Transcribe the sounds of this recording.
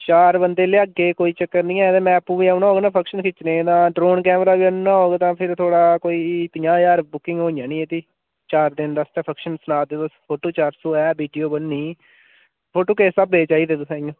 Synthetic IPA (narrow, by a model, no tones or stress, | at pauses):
t͡ʃaːɾbənd̪eːleːəɡeːkoːiːt͡ʃəkːəɾnĩːɛːd̪eːmɛ̃ːpuːʋiːaːʊnaːɦoːɡeːnaːpʰəkʃənkʰɪt͡ʃnẽːt̪ãːɖɾoːnkɛːmɾaːʋiːənãːɦoːɡet̪ãːpʰɪɾt̪ʰoːɽaːkoːiːt̪ɪjãːjaːɾbʊkɪ̃ŋɡɦoːɪjãːnĩːeːt̪iː | t͡ʃaːɾd̪ɪnd̪əst̪ɛːpʰəkʃənsʊnaːd̪eːt̪ospʰoːʈoːt͡ʃaːɾsoːɛːbiːɖijoːbənːiː | pʰoːʈoːkeːsəbːeːt͡ʃaːiːd̪eːd̪ʊsãːjõː